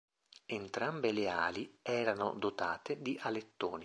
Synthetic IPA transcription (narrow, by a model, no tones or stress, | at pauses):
ent̪ɾambeleaːliɛːɾano̰d̪ot̪aːt̪ed̪iʔalet̪ːoːni